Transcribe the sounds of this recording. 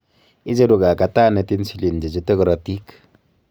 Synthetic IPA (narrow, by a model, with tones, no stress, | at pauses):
i˦d͡ʒe˦du˨ka˨ka˨ta˦˨ne˨ti˦n˦si˦li˨n˨d͡ʒe˨d͡ʒi˦te˦kɾɔ˨ti˦k